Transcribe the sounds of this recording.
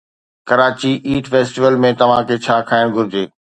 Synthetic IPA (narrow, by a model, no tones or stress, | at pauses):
kɐɾaːt͡ɕiʔiːʈfeːsʈiʋəlmẽt̪ɐʋ̤ãkʰeːt͡ɕʰaːkʰaːɪɽ̃ɡʱʊɾɪd͡ʑeː